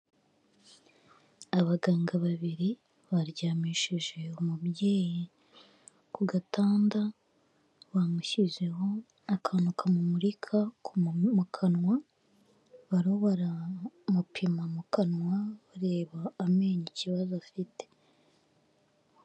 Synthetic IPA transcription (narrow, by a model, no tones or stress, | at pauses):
aβaɡaːŋɡaβaβiɾi | βaɾɟaːmiʃiʒe̞umubje̞ːji | kuɡataːnda | βamuçize̞ho̞ | akʰanukʰamumuɾikʰakumukʰanŋwa | βaɾoβaɾamupʰimamukanŋwaβaɾe̞ːβaːme̞ːɲiciβazoafite̥